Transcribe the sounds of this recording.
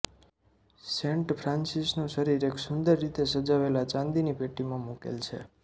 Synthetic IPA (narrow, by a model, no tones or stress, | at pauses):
sẽɳʈpʰɾãnsisnũʃəɾiɾeksʊnd̪əɾːit̪esəd͡ʒaʋelat͡ʃãnd̪inipeʈimãmukḛlt͡ʃʰḛ